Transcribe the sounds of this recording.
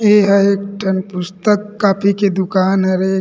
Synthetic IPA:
eɦɛeːk̚ʈʰɐnpʊst̪əkːaːpʰiked̪ʊkaːnɦɛɾe

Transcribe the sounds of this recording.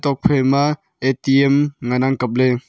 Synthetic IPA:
t̪ɔk̚pʰema | et̪iɛmŋanaŋkap̚le

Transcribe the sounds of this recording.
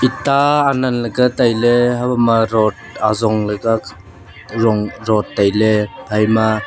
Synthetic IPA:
itaːnanlɐɡatajleɦabamaɾɔt̚ | a̰zɔŋlɐɡa | ɾɔŋɾɔtːajlebʰʱajma

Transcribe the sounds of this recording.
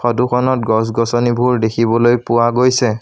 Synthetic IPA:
xɔdukʰɔnɔtɡɔs̬ɡɔsɔnibʱuɹdekʰibɔlojpʊwaɡojsɛ

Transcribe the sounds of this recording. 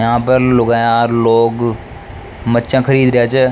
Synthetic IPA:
jɦãːpəɾlʊɡaːjaːɾloːɡ | mətːʃãːkʰəɾiːd̪ɾɪjaːt͡ʃɛː

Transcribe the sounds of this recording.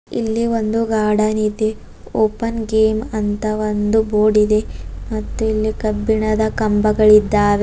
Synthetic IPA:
ḭlːiʋo̞nd̪uɡaːɽɐnid̪e̞ | oːpɐnɡeːmɐnt̪ɐʋond̪uboːɖid̪e̞mɐt̪ːuilːikɐbːiɳɐd̪ɐkɐmbɐɡɐɭid̪ːaːʋe

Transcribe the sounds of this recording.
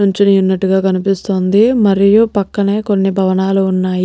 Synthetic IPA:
uɲt͡ʃinijunːɐʈːuɡaːkɐnipist̪o̞ːnd̪imɐɾijupɐkːɐne̞ːko̞nːibʱɐʋɐnaːluːnːaːj

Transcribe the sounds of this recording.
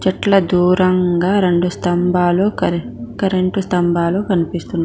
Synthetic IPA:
t͡ʃɐʈlɐd̪uːɾɐŋɡaːɾe̞ɳɖust̪ɐmbʱaːloː | kɐɾeɳʈust̪ɐmbʱaːloːkɐnipist̪unːa

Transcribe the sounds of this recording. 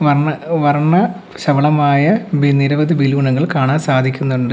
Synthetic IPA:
ʋɐrɳɐʋɐrɳɐ | ɕɐʋɐɭɐmaːjɐbiniɾɐʋɐðibiluːɳɐɣɐɭkaːɳaːnsaːd̪ʱikʲːunːuɳɖɨ

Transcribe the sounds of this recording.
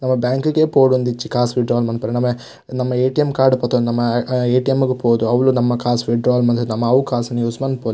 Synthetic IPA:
nɐmːɐbjaːŋkuɡeːpoːɽund̪it͡ʃːikaːsʋiɖɾaːlmɐnpɐɾenɐmːe | nɐmːɐeːʈijɐmkaːɾɖupɔt̪ɐnɐmːɐeːʈijɐmːuɡepoːd̪uɐʋɐɭunɐmːɐkaːsʋiɖɾaːlmɐnd̪ɐnɐmːɐːʋkaːsɐnijuːsmɐnd̪poli

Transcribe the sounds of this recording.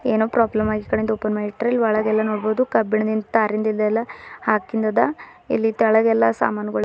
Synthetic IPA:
eːnoːpɾaːblɐmaːɡikɐɽend̪oːpɐnmeliʈːɐɾɐlːʋɐɭɐɡɛlːɐnoːɽboːd̪ukɐbːiɳɐd̪ind̪t̪aːɾind̪ɐild̪ɐɛlːɐhaːkind̪ɐd̪ɐ | ilːit̪ɛɭɐɡɛlːɐsa̰ːmaːnɐɡɐɭ

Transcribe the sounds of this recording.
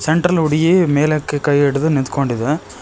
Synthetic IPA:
seɳʈɾɐluɽijimeːlɐkːekɐjeɽud̪unind̪koɳɖid̪e

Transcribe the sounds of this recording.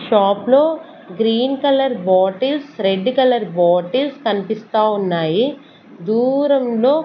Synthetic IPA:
ʃaːplo̞ː | ɡɾiːnkɐlɐɾbaːʈilsɾeɖːkɐlɐɾbaːʈilskɐnipist̪aːunːaːji | d̪uːɾɐmlo̞ː

